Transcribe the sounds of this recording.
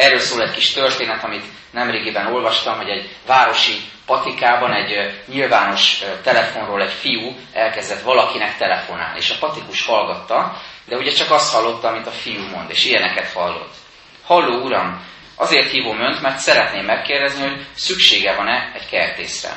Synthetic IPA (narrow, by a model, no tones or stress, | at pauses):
ɛrːøːlsoːlɛckiʃt̪ørt̪eːnɛt̪ɒmit̪ | nɛmreːɡibɛno̞lvɒʃt̪ɒmɦo̞ɟɛɟvaːɾo̞ʃipɒt̪ikaːbɒnɛɟɲilvaːno̞ʃt̪ɛlɛfo̞nroːlɛɟfiju | ɛlkɛzd̪ɛt̪ʋɒlɒkinɛkt̪ɛlɛfo̞na̰ːliḛːʃɒpɒt̪ikuʃhɒlɡɒt̪ːɒd̪ɛuɟɛt͡ʃɒkɒst̪hɒlːo̞t̪ːɒːmit̪ɒfijumo̞nd̪ḛːʃijɛnɛkɛt̪hɒlːo̞̰t̪ː | hɒlːoːuɾɒm | ʔɒzeːrt̪hiːvoːmø̞nt̪mɛrt̪sɛɾɛt̪neːmːɛkːeːrd̪ɛzniho̞ɟsykʃeːɡɛvɒnɛɛckɛrt̪ḛːsrɛ̰